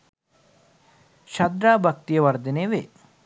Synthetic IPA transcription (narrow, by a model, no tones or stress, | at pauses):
ʃɐd̪ɾaːbʱɐk̚t̪ijɐʋɐɾd̪ineːʋeː